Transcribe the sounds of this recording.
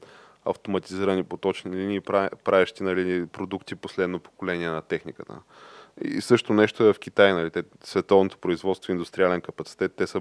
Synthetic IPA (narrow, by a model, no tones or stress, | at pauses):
ɐ̰ft̪omɐt̪iziɾənipot̪ɔt͡ʃniliniːpɾpɾavʲɛʃt̪inɐlinipɾod̪ukt̪iposlɛd̪nopo̥kolɛnʲiɛnɐt̪ɛxnikət̪ə̰ | ḭsɤʃt̪onɛʃt̪oɛvɐfk̟ʲit̪ajnɐlit̪ɛ | svɛt̪ɔvnot̪o̥pɾoizvɔt̪st̪voind̪ʊst̪ɾʲialɛnkəpɐt̪si̥t̪ɛt̪ːɛsə